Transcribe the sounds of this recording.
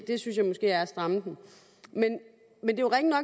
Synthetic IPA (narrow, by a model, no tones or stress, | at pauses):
d̥e̝synsjɑ̈ɪmɔ̽sɡ̥e̝̰ːæɐæsd̥ʁɑ̈məd̥em̩ | men | mend̥e̝oʁɛŋənɒ̽ɡ̥